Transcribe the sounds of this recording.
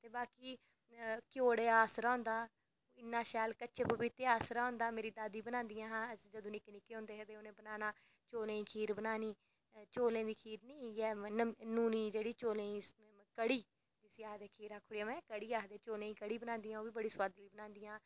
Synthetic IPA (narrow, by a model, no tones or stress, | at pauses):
t̪eːbaːkiː | kjoːɽeːaːsɾaːʊnd̪aː | ɪnːãːʃɛːlkəʃeːpəbɪt̪ːeːaːsɾaːʊ̃nd̪aːmeːɾiːd̪aːd̪iːbənãːnd̪ijãːɦãːd͡ʒəd̪õːnɪknɪkeːɦʊ̃ːnd̪eːɦɛd̪eːoːnẽːbənaːnaː | t͡ʃoːlẽːiːkʰiːɾbənaːniː | t͡ʃoːlẽːd̪iːkʰiːɾnĩːɛːnuːniːd͡ʒeːɽiːt͡ʃoːlẽːiː | kəɽiː | d͡ʒɪsiaːd̪eːkʰiːɾaːkʰʊɽijaːmɛ̃ːkəɽiːaːɦd̪eːt͡ʃoːlẽːĩːkəɽiːbənãːnd̪ijãːoːʋiːbəɽiːswaːd̪liːbənãːnd̪ijãː